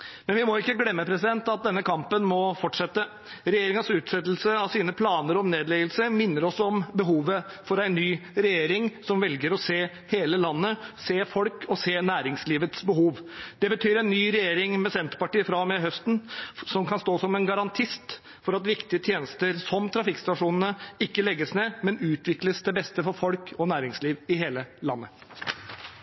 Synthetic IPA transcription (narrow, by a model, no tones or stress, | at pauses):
mɛnʋɪmɔɪkːəɡlɛmːəpʰɾɛsɪd̪ɛnt̪ɑt̪̚d̪ɛnːəkʰɑmpənmɔfɔʈʂɛt̪ːə | ɾɛjeːɾɪŋənsʉːt̪sɛt̪ːlsəɑʋsiːnəpʰlɑːnəɾɔmneːd̪lɛɡəlsəɾmɪnːəɾɔsɔmbəɦuːʋə | fɔɾæɪnːyːɾɛjeːɾɪŋsɔmʋɛlɡəɾɔseː | heːləlɑnːəseːfɔlkʰɔseːnæːɾɪŋsliːʋət̪sbəɦuːʋd̪̥ɛbət̪ʰyːɾæɪnːyːɾɛjeːɾɪŋmɛsɛnt̪əɾpɑʈiːfɾɑmɛɦœst̪n̩sɔmkʰɑnst̪oːsɔmɛnɡɑɾɑnt̪ʰɪst̪ | fɔɾɑt̪ʋɪkt̪ɪət̪ʰjeːnəst̪əɾsɔmt̪ʰɾɑfɪkst̪ɑʂuːnən̩əɪkːəlɛɡːəsneːmɛnʉːt̪ʰʋɪkləsd̪ɛbɛst̪əfɔɾfɔlkʰɔnæːɾɪŋsliːʋɪɦeːləlɑ̰nːə